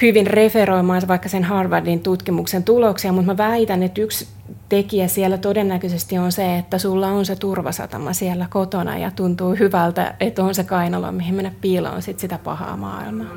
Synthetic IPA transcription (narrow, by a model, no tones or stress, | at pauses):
hyʋinreferoimɑːnsʋɑikːɑsenhɑːrʋɑrdint̪ut̪kimuksent̪uloksiɑmut̪mæʋæit̪ænet̪yks | t̪ekiæsiælːæt̪odenːækøsest̪ionseet̪ːæsulːɑonset̪urʋɑ̰sɑ̰t̪ɑ̰mɑ̰siælːækot̪onɑ̰jɑ̰t̪unt̪uːhyʋælt̪æ̰et̪ːonsekɑinɑlo̰mihimmenːæppiːlɑ̰ːnsit̪sit̪æpɑ̰hɑ̰ːmɑ̰ːḭlmɑː